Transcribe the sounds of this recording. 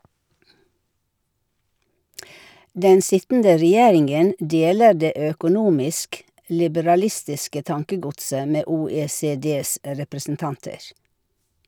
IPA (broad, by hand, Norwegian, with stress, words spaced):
ˈdɛn ˈsɪtn̩də ɾɛˈjeːɾɪŋɡən ˈdeːlə ˈɖeː ˌøːkʊˈnuːmɪsk lɪbəɾɑˈlɪstɪskə ˈtɑŋkəˌɡʊtsə ˈmeː ˌuːˌeːˌseːˈdeːs ɾɛpɾəsn̩ˈtɑntəɾ